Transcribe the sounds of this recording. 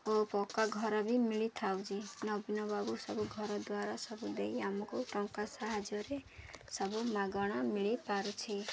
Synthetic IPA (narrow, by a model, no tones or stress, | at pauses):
opɔkaɡʱɔɾɔbimiɭit̪ʰawd͡ʒinɔbinɔbabusɔbuɡʱɔɾɔd̪waɾasɔbud̪eiamɔkuʈɔŋkasaɦad͡ʒɔɾesɔbumaɡɔɽ̃ɔmiɭipaɾut͡ʃʰi